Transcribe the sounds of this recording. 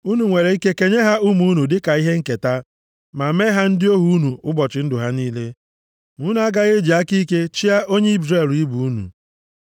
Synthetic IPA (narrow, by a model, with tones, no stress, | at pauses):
u˦nu˨ŋʷe˨ɾe˨i˦ke˦ke˨ɲe˦ɦa˦u˦mu˦nu˨dɪ˦ka˨i˦ɦe˦ŋ̩˦ke˨ta˦ | ma˨me˦ɦa˦n̩˦dɪ˦o˦ɦu˦u˦nu˨ʊ˦bɔ˨t͡ʃɪ˨˦n̩˦dʊ˨ɦa˦niː˦le˦ | mu˨˦nu˨˦a˦ɡa˦ɣe˦d͡ʒi˨a˦ki˦ke˦t͡ʃi˦a˦o˦ɲe˦i˦bɾe˨li˦bu˨u˦nṵ˨